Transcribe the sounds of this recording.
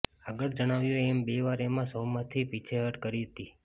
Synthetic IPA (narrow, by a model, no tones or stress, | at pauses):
aɡəɭd͡ʒəɽ̃aʋjũɛmbeʋaɾemãsowmãt̪ʰipit͡ʃʰeɦəʈkəɾiɦət̪i